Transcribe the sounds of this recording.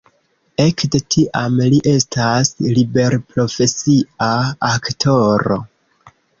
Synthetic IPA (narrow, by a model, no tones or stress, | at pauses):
e̞kde̞tʰiʔamliʔe̞stʰaslibe̞ɾpɾo̞fe̞siaaktʰo̞ɾo̞̰